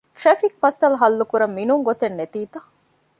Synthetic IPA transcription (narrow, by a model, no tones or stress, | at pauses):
ʈ̪refik̚mɐsɐlɐɦɐlːukuɾɐmːinuŋɡot̪enːet̪iːt̪ɐ